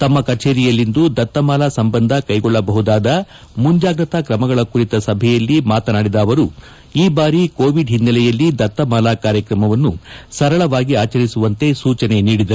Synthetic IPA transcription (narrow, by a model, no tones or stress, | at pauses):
t̪ɐmːɐkɐt͡ʃeːɾijɐlːind̪ud̪ɐt̪ːɐmaːlaːsɐmbɐnd̪ʱɐkɐjɡɔɭːɐbɐɦud̪aːd̪ɐ | muɲd͡ʒaːɡɾɐt̪ɐkɾɐmɐɡɐɭɐkuɾit̪ɐsɐbʱɛjɐlːimaːt̪ɐnaːɽid̪ɐːʋɐɾu | iːbaːɾikoːʋiɖɦinːɐlɛjɐlːid̪ɐt̪ːɐmaːlaːkaːɾjɐkɾɐmɐʋɐnːusɐɾɐɭɐʋaːɡiaːt͡ʃɐɾisuʋɐnt̪e̞suːt͡ʃɐne̞niːɽid̪ɐɾ